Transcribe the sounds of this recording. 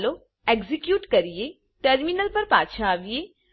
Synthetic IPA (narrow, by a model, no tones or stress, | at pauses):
lo | eɡzɪkjuːʈkɐɾie | ʈəɾminəlpɐɾpaːt͡ʃʰaːʋie